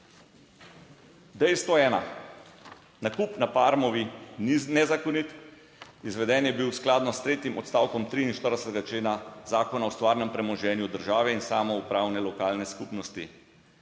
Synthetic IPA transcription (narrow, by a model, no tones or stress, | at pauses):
d̪ɛjst̪ʋɔɛːna | nakupnapaːɾmɔʋininɛzakɔnit̪ | izʋɛd̪ɛnjɛbiwsklaːd̪nɔst̪ɾeːt̪jimɔt̪st̪awkɔmt̪ɾiinʃt̪əɾd̪ɛsɛt̪ɛɡat͡ʃleːnazaːkɔnawst̪ʋaːɾnɛmpɾɛmɔʒɛːnjud̪əɾʒaːʋɛinsaːmɔupɾaːwnɛlɔkaːlnɛskupnɔst̪i